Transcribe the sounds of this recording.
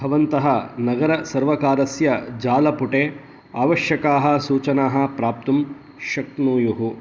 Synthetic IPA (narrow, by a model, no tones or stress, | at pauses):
bʱɐʋɐnt̪ɐɦɐnɐɡɐɾɐsɐɾʋɐkaːɾɐsjɐd͡ʒaːlɐpuʈeː | aːʋɐʃjɐkaːɦɐ̆suːt͡ʃɐnaːɦɐ̆pɾaːp̚t̪um | ʃɐk̪̚nuːjuɦu